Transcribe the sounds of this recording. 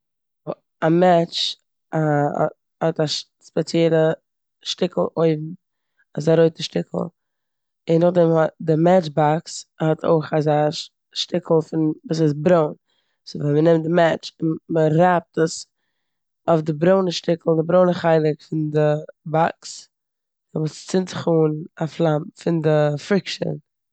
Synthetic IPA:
amɛt͡ʃ | a̰ | hɔtaʃ | spɛt͡sjɛlˠə | ʃtɪkl̩ˠʔoɪvm̩ | azaɾoɪt̚dɪʃtɪkʰl̩ˠ | ɪnːʊχdɛmdɪmɛt͡ʃbakshɔtʰo̰ɪχaza | ʃtɪkl̩ˠfɪnvuːs̬ɪsbɾoʊn | svamənɛmt̚dɪmɛt͡ʃɪnməɾap̚təs | ofdɪbɾoʊnəʃtɪkl̩ˠdɪbɾoʊnəχaɪlˠɪkfɪndɪbaks | vuːst͡sɪntzɪχuːnaflˠamfɪndɪfɾɪkʃə̰n

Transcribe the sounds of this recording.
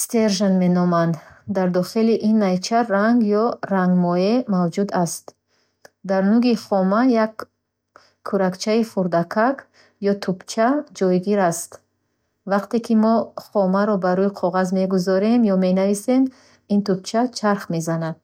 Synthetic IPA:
st̪eɾʒanme̞nɔmand̪d̪aɾd̪ɔχiliʔinːajt͡ʃʰaːaŋɡjɔɾaŋɡmɔemavd͡ʒud̪ast̪ | d̪aɾnuɡiχɔmajakʰː | uɾakt͡ʃʰaifuɾd̪akʰak | jɔt̪ʰupt͡ʃʰad͡ʒɔjɡiɾast̪ | vaqt̪e̞kʰimɔχɔmaɾɔbaɾuiqʰɔʁazme̞ɡuzɔɾe̞mjɔme̞navise̞m | int̪up̚t͡ʃʰat͡ʃʰaɾχme̞zanad̪̥̚

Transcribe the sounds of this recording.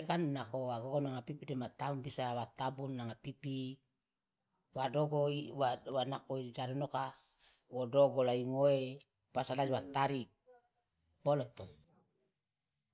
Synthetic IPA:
kanːakowaɡoɡonaŋapipidemat̪aunbisawat̪abunːaŋapipi | wadoɡoiwawanakoid͡ʒaɾinokawodoɡolaiŋoe | pasalad͡ʒwat̪aɾik̚ | b̥olɔt̪o

